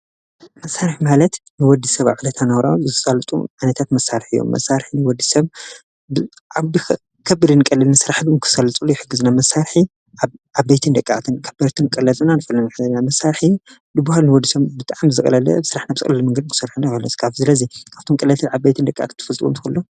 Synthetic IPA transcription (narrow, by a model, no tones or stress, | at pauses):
mɐsːaɾħimalɐt̪nɨwɔd̪isɐβa̰βʕɨlɐt̪ʰanɐwɾawzsʼalt̪ʼṵʕanɐt̪ʰat̪mɐsːaɾħijːo̰mːɐ̰sːaɾħinɨwɔd̪ːisɐβ | a | kʰɐbːɨɾɨnɨkʼɐlɨlnasɨɾaħbɨkʰɨ̥sɐlɐt͡sʼulːojɪħɨɡːɨznamɐsːaɾħi | ʔaʔaβejt̪ʰɨnd̪ɐkʼːat̪ʰɨnkʰɐbɐɾt̪ʰɨnkʼɐlɐlʼɨnanɨfɐlːɐnaħɨzɐlnamɐsːaɾħ | d̪ɨbːahalnɨwɔd̪ːisɐβbɨt̪ʼaʕamzɨkʼɐlɐlɐ̰bɨsɨɾaħnaβzɨxʼlɨlmɨŋɡɐd̪kʰɨ̥sɨɾħunakɐlosɨ̥kʰafsɨlɐzikʰaβ̥t̪ʰomkʼɨlɐlt̪ʰɨʕaβbejt̪ʰɨnd̪ɐkʼːʔa̰t̪ʰɨnt̪ɨ̥fɨlt̪ʼwumt̪ɨ̥xɐlːo